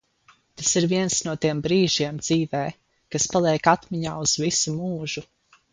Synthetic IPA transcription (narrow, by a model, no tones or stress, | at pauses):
t̪asiɾviɛnsnuɔt̪iɛmbɾiːʒiɛmd̪z̥iːvɛː | kaspalˠɛɛkat̪miɲaːuz̥visumuːʒu